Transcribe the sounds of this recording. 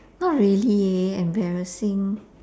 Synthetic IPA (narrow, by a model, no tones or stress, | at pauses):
nɔt̚ɹilieɛ̃mbɛɹəsĩŋ